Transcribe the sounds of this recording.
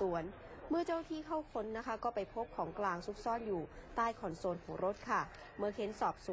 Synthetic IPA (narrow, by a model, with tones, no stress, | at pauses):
u˩˦ən | mɯ˥˩ɐt͡ɕaː˥˩wt̪ʰiː˥˩kʰa˥˩wkʰo˦˥nːa˦˥kʰa˦˥kɔː˥˩pa˧jpʰo˦˥p̚kʰɔː˩˦ŋklaː˧ŋsu˦˥p̚sɔː˥˩njuː˨˩t̪aː˥˩jkʰɔː˨˩nsoː˧nhɔː˩˦ŋɾo˦˥t̪̚kʰa˥˩ | mɯ˧˩kʰe˦˥nsɔː˨˩p̚su˨